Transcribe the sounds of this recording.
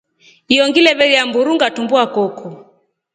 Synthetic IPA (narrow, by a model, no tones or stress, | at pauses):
iɔŋɡilɛβɛɾijambuɾuŋɡatumbuakɔkɔ